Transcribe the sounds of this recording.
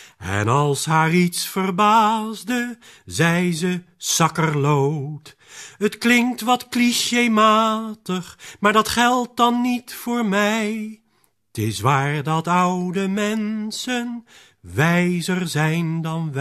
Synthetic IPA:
ɛ̰nɑlˠsɦaːritsfərbaːzdəzɛjzə | sɑkərlowt | ətklɪŋk̚tʋɑtkliʃemaːtəχmaːɹdɑtχɛlˠt̚dɑnːitfʊːɹmɛjj | tɪsʋaːɹdɑtʌwdəmɛnsən | ʋɛjzərzɛjndɑnʋ

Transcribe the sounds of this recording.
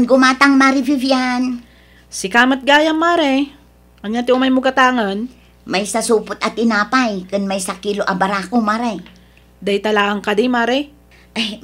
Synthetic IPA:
nɡʊmaːt̪aŋmaɾɪbivjan | sɪkaːmɐt̪̚ɡaːjɐmːaːɾɛ | ʔɐɲjat̪ɪʔʊmɐjmʊɡɐt̪aːŋɐn | majsɐsuːpʊt̪ɐt̪ɪnaːpajkʊnmajsɐkiloʔɐbɐɾaːkomaɾɛ | d̪ɐjt̪ɐlaːʔɐŋkad̪imaːɾɛ | ʔaj

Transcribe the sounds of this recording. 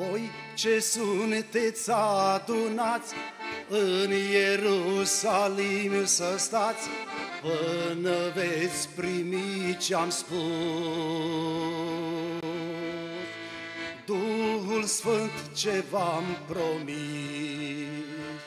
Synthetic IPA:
vo̞j | t͡ʃe̞sunet̪sʲad̪unat̪sʲɨnjeɾusalimsəst̪at̪sʲpɨnəve̞t̪sʲpɾimit͡ʃeamspu | s | d̪uɦulsfɨnt̪t͡ʃe̞vampɾomi

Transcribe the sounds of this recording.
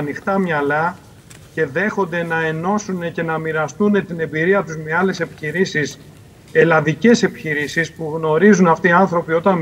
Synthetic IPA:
ɐnixt̪ɐmɲɐlɐ | ce̞ðe̞xo̞nd̪e̞nɐe̞no̞sune̞ce̞nɐmiɾɐst̪une̞t̪ine̞mbiɾiɐt̪uzmeɐle̞se̞pi̥çiɾisis | e̞lɐðice̞se̞pi̥çiɾisispuɣno̞ɾizunɐft̪iːɐnθɾo̞pio̞t̪ɐn

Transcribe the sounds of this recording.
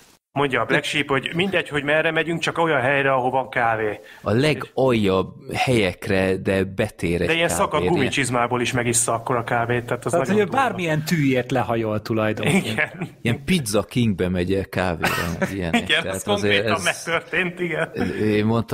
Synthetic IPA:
mo̞ɲɟɒːblɛkʃiːpho̞ɟmind̪ɛcho̞ɟmɛrːɛmɛɟyŋk̚t͡ʃɒko̞jɒnɦɛjɾɛɒɦo̞vɒŋkaːveːɒlɛɡɒjːɒbhɛjɛkrɛd̪ɛbɛt̪eːɾɛd̪ɛijɛnsɒkɒɡumit͡ʃizmaːboːliʃmɛɡisːɛɒkːo̞ɾɒkaːveːt̪ːɛaːt̪ɛzaːhoøbaːrmijɛnt̪yːjeːrt̪lɛɦɒjolt̪ulɒjd̪oiɡɛniɛmpid̪zɒkiŋɡ̚bɛmɛɟɛkaːvḛːɾɛ̰nijɛ̰niɡɛnt̪ːt̪oŋkzeːɛmmɛk̚t̪ørt̪eːnt̪iɡɛnøemmo̞nt̪

